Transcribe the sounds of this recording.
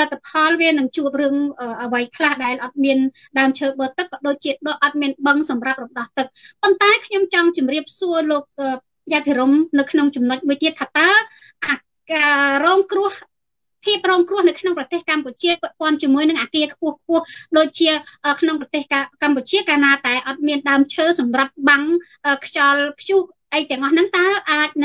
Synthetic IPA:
lɨt̪ʰːapʰɑlʋiənɨŋt͡ɕuəp̚rɨəŋʔəːʔəʋəjkʰlahɗaɛlʔɑt̪̚miənɗaəmt͡ɕʰəːɓəːt̪ɨkːɑːɗoːc̚t͡ɕiəɗʔɑt̪̚miənɓəŋsɑmrap̚rɔmɗɑht̪ɨk̚pont̪aɛkʰɲomt͡ɕɑŋt͡ɕumriəp̚suəloːk̚ʔəː | japʰiəɾumnɨwkʰnoŋt͡ɕumnoc̚muəjt̪iət̪ʰːaːt̪aə | ʔa | əːrɔːŋkrʊ̆əh | pʰiəp̚rɔːŋkrʊəhnɨwkʰnoŋprɑt̪eːhkamput͡ɕiəpɛ̆əʔpŏənt͡ɕiəmuəjnɨŋʔaːkiəkʰpʊ̆əhk̚ʰpʊ̆əhɗoːc̚t͡ɕiəʔəːkʰnoŋprɑt̪eːhkamput͡ɕiəkaːnaːt̪aɛʔɑt̪̚miənɗaəmt͡ɕʰəːsɑmrap̪̚ɓaŋ | ʔəːkʰt͡ɕɑlpʰjuh | ʔəjt̪ɛ̆əŋʔɑhnɨŋt̪aəlʔaːc̚nɨ

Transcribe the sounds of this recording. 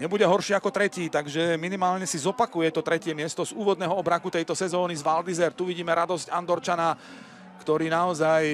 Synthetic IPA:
ɲɛbuɟɛɦɔɾʃiːakɔt̪ɾɛciːt̪aɡʒɛminimaːlɲɛsizɔpakujɛt̪ɔt̪ɾɛcɪɛmɪɛst̪ɔzuːʋɔd̪nɛːɦɔɔbɾakut̪ɛjt̪ɔsɛzɔːnizʋald̪izɛɾt̪ːuʋiɟiːmɛɾad̪ɔscand̪ɔɾt͡ʃana | kt̪ɔɾiːnaɔzaj

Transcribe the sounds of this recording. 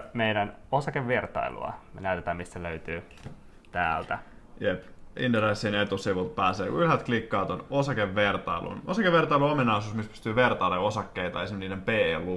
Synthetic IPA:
meiɾænosɑkeʋʋirt̪ɑ̰ilṵɑ̰menæyt̪et̪æːmistsæløyt̪yː | t̪æ̰ːlt̪æ | jepḭnd̪eɾɑsːinet̪usiʋut̪̚pæːseːkuyɦæt̪klikːɑːt̪onosɑkeʋːert̪ɑilṵnosɑkeʋʋert̪ɑiluominɑisuːsmispy̥st̪yːʋert̪ɑilːeosɑkːeit̪ɑesimniːnempeːelːu

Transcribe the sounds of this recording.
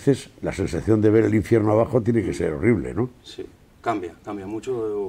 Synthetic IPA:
θe̞sla̰sẽ̞nsaθjo̞nd̪e̞β̞e̞ɾeliɱfje̞ɾnoaβ̞axot̪jeneke̞seɾo̞riβlḛnosi | kambjakambjamut͡ʃo

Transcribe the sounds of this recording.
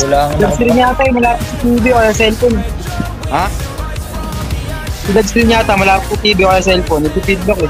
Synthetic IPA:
lʊlɐɡ̪sɪɾɪɲaːt̪ɐjmɐlaːpɪt̪̚sɐt̪iːbɪkɐlasɛlfon | ha | t̪ʊlɐɡ̚sɪɾɪɲaːt̪ɐmɐlaːpɪt̪̚ːʊt̪iːbɪkɐlasɛlfonːɐt̪upid̪̚bɐkɛ

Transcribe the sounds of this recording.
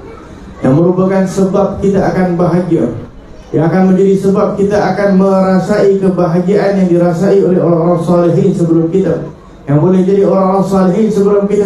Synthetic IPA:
jaŋməɾupakansəbap̚kit̪aːkanbaɦaɡia | jaːkanməɲd͡ʒadisəbap̚kit̪aakanməɾasaikəbaɦaɡiaʔanjaŋdiɾasaiolɛɦoɾaŋoɾaŋsɑliɦinsəbəlʊmkit̪a | jaŋpolɛd͡ʒadioɾaaŋoɾaŋsɑliɦinsəbəlʊmkit̪a

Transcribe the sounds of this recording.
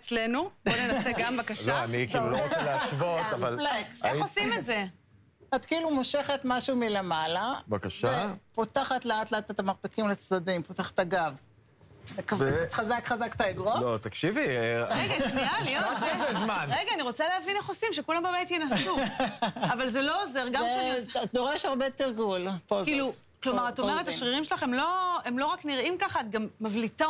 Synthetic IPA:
et͡slenubonenaseɡambakaloanikilulot͡seleaʃvot̪avallekseosimetze̞ | at̪kiilumoʃe̞χetmaʃumile̞malabakaʃaepotaχatleat̪leat̪et̪amaʁpikimlet͡sdadimpotaχḁt̪aɡav | mekavit͡st̪χazakχazakt̪aiɡʁolot̪ɐkʃiviʁeɡaʃalioezmanʁeɡaːniʁo̞t͡saleavinaχosimʃekulambabajt̪jenasu | avalzelo̞ozeʁɡamʃad̪oʁeʃaʁbet̪iʁɡulpozkilu | klo̞maʁatomeetaʃʁiʁimʃelaχemlo̞e̞mlo̞ʁakniʁimkaχat̪̚ɡamːavlit̪a

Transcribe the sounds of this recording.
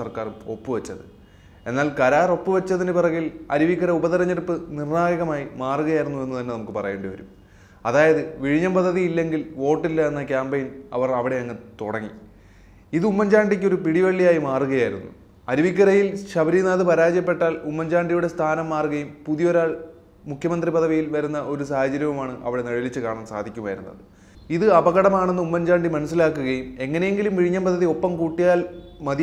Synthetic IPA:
sɐrkaːruo̞pːɨʋɐt͡ɕːɐðɨ | e̞nːaːlkɐɾaːro̞pːɨʋɐt͡ɕːɐðinɨpirɐŋilɐ̰ɾiʋikːɐɾɐubɐðɐɾɐɲːɐɾpːɨnirnaːjɐɣɐmaːjimaːruɣɐjaːjiɾunːue̞nːut̪ɐnːe̞nɐmukːɨpɐrɐ̰je̞ːɳɖɨʋɐ̰ɾum | ɐðaːjɐðɨʋiɻiɲːɐmpɐd̪ʱːɐðijilːe̞ŋɡilʋo̞ːʈːilːɐenːɐkʲaːmbejnɐ̰ʋɐrɐʋiɽe̞ɐŋːɐt̪uɽɐŋːḭ | iðɨumːɐɲd͡ʑaːɳɖik̬ʲːo̞ɾupiɽiʋɐɭːijaːjimaːruɣɐjaːjiɾunːṵ | ɐɾuʋikʲːɐɾɐjilɕɐbɐɾinaːðɨpɐɾaːd͡ʑjɐp̬ːe̞ʈːaːlumːɐɲd͡ʑaːɳɖijuɽe̞st̪ʰaːnɐmːaːruɣɐjumpuðijo̞ɾaːɭ | mukʰjɐmɐnd̪ripɐðɐʋijilʋɐɾunːɐʔo̞ɾusaːhɐd͡ʑɐɾjɐʋɐmaːɳɨʔɐ̰ʋiɽe̞nɐɻilit͡ɕːɨkaːɳaːmsa̰ːd̪ʱikʲːumʋɐ̰jɾunːɐ̰ðɨ | iðɨɐbɐɣɐɽɐmaːɳenːɨumːɐɲd͡ʑaːɳɖimɐnɐs̬ːilaːkːuɣɐjume̞ŋːɐne̞je̞ŋɡilumʋiɻiɲːɐmpɐd̪ʱːɐðio̞pːɐmkuːʈːijaːlmɐði

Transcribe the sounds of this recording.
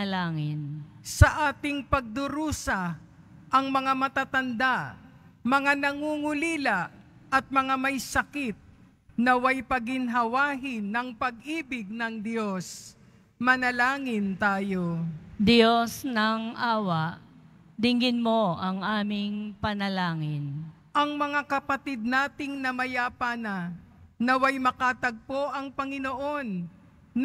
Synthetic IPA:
laːŋɪnsɐʔaːt̪ɪŋpɐɡ̚d̪ʊɾuːsɐ | ʔɐŋmɐŋamɐt̪aːt̪ɐnd̪a | mɐŋanɐŋuːŋʊliːlaʔ | ʔɐt̪̚mɐŋamɐjsɐkɪt̪̚ | nɐwajpɐɡɪnɦɐwaːɦɪnɐŋpɐɡ̚ʔiːbɪɡ̚nɐŋd̪jo̞s | mɐnɐlaːŋɪnt̪aːjo̞d̪ɪjosnɐŋaːwaʔ | d̪ɪŋɡɪnmoɐŋʔaːmɪŋpɐnɐlaːŋɪn | ʔɐŋmɐŋakɐpɐt̪ɪd̪̚naːt̪ɪŋnɐmɐjaːpanɐ | nɐwajmɐkaːt̪ɐɡ̚po̞ʔɐŋpɐŋɪnoʔo̞nː

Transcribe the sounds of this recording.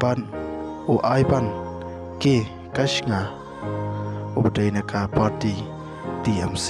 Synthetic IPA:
ban | oʔajban | ke | kaʃŋa | obədajnakapaɾti | t̪iams

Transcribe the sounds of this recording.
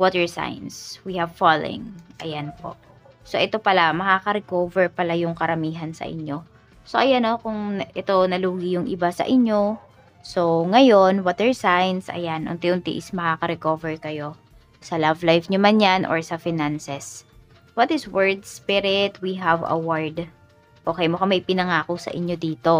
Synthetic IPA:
wɔt̪ɛɹsa̰jnswihɐvfal̰ɪ̰̃ŋʔɐ̰janpo̰ʔ | soʔɛt̪o̞pɐlamɐkakɐɾɛkovɛɹpɐlajʊŋkɐɾɐmiːɦɐnsɐ̰ʔɪ̰ɲːo̞ | soʔɐjano̞kʊŋʔɛt̪o̞nɐluːɡɪjʊŋʔɪbasɐ̰ʔɪɲːo̞ | so̞ŋɐjo̞nwɐt̪ɛɹsajnsʔɐ̰janʔʊ̰nt̪ɛʔʊnt̪ḭʔɪsmɐkakɐɾɛkoːvɛɹkɐjo̞ | sɐlavlajfɲomɐnjanʔo̰ɹsɐfɪnansɛs | wɐt̪ɪswɛɹd̪spɪɾɪt̪wiɦɐvɐ̰waɹd̪ | ʔo̞ːkɛjmokɐmɐjpɪnɐŋaːkosɐ̰ʔɪ̰ɲːo̞d̪iːt̪o̞

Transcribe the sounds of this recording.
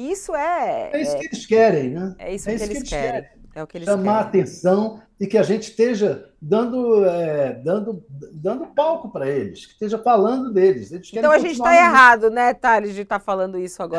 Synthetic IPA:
isʊɛɛiʊkɪelɪskɛɾẽj̃nɛɛ̰isɛiseʊlkelɪskɛɾẽj̃ɛʊkɪelɪʃɐ̃maɾat̪ẽsɐ̃w̃ | ɪkɪaʒẽnt͡ʃɪ̥ʃt̪eʒɐd̪ɐ̃nd̪ʊɛɛd̪ɐ̃nd̪ʊd̪ɐ̃nd̪ʊpawkʊpɾɐelɪʃkɪ̥ʃt̪eʒɐfalɐ̃nd̪ʊd̪elɪzd̪elɪʃk̪ɛɾɐ̃w̃aʒẽnt͡ʃɪt̪aeɦad̪ʊnɛt̪alɪd͡ʒɪt̪afalɐ̃nd̪ʊisʊaɡɔ

